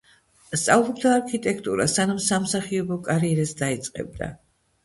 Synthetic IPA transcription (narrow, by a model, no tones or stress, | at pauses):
st̪sʼavlˠɔbd̪aːɾkʰit̪ʼɛkʰt̪ʼuɾa̰sanamsamsaχiɔbɔkʼaɾiɛɾasd̪ait̪sʼqʼɛ̰b̚d̪a̰